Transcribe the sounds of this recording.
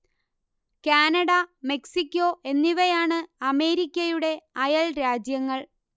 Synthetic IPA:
kaːnɐɽɐme̞ksikʲːo̞ʔe̞nːiʋɐjaːɳɨɐme̞ːɾikʲːɐjuɽe̞ɐjɐɭɾaːd͡ʑjɐŋːɐɭ

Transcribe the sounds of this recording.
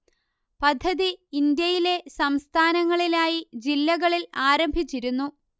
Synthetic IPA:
pɐd̪ʱːɐðiind̪jɐjile̞sɐmst̪ʰaːnɐŋːɐɭilaːjid͡ʑilːɐɣɐɭilaːɾɐmbʱit͡ɕːiɾunːu

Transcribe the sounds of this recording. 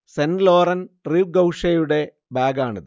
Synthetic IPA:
senlo̞ːrɐnriːʋɡɐwʂɐjuɽe̞ | baːɡaːɳɐðɨ

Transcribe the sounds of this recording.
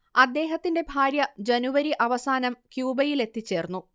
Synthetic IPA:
ɐd̪ːe̞ːɦɐt̪ːinde̞bʱaːɾjɐd͡ʑenuʋɐɾiʔɐʋɐsaːnɐmkjuːbɐjile̞t̪ːit͡ɕːe̞ːrnːu

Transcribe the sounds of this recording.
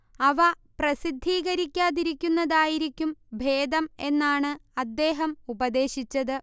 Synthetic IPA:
ɐʋɐ | prɐsid̪ʱːiːɣɐɾikʲːaːðiɾikʲːunːɐðaːjiɾikʲːumbʱe̞ːd̪ɐme̞nːaːɳɨɐd̪ːe̞ːɦɐmubɐd̪e̞ːɕit͡ɕːɐðɨ

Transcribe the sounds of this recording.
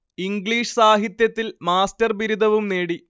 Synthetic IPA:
iŋɡɭiːʂɨ̥saːɦit̪jɐt̪ːilmaːstɐrbiɾud̪ʱɐʋumneːɽi

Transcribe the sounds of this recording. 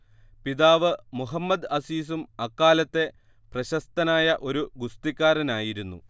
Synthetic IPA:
piðaːʋɨmuɦɐmːɐd̪ɐsiːs̬umɐkːaːlɐt̪ːe̞ | prɐɕɐst̪ɐnaːjɐʔo̞ɾuɡust̪ikʲːaːɾɐnaːjiɾunːṵ

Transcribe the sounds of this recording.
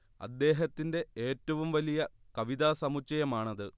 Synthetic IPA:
ɐ̰d̪ːe̞ːɦɐt̪ːinde̞eːtːɐʋumʋɐlijɐ | kɐʋiðaːsɐmut͡ɕːɐjɐmaːɳɐðɨ

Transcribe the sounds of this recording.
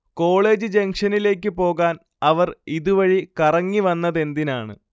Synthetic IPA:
ko̞ːɭe̞ːd͡ʑɨd͡ʑe̞ŋʂɐnile̞ːk̬ʲːɨpo̞ːɣaːn | ɐʋɐriðuʋɐɻikɐrɐŋːiʋɐnːɐðe̞nd̪inaːɳɨ̰

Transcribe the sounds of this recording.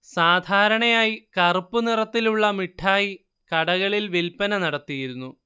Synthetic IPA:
saːd̪ʱaːɾɐɳɐjaːjikɐrupːunirɐt̪ːiluɭːɐmiʈʰːaːji | kɐɽɐɣɐɭilʋilpɐnɐnɐɽɐt̪ːijiɾunːu

